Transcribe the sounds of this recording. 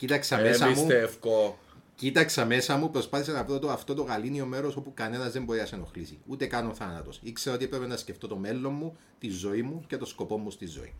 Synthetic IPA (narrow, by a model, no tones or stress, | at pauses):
cit̪ɐksɐmesɐimut̪efko | cit̪ɐksɐme̞sɐmupɾo̞spɐθis̬enɐvɾot̪oɐft̪o̞t̪o̞ɣɐlinio̞me̞ɾo̞so̞pukɐne̞nɐzðembo̞ɾiɐsenoxlisiut̪e̞kɐnoθɐnɐt̪o̞sikse̞ɾot̪iepɾe̞penɐsceft̪o̞t̪o̞me̞lːo̞mːu | t̪izo̞imːuce̞t̪o̞sko̞po̞mːust̪izːo̰ḭ